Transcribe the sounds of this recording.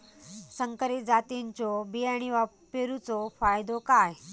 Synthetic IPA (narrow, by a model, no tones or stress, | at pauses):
səŋkəɾid͡zat̪iɲt͡ɕɔbijaɽ̃iʋa | peɾut͡sɔfajd̪okaj